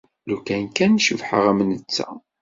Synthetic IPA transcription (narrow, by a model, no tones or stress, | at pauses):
lukænkænʃəvħəʁæmnət͡sːæ̰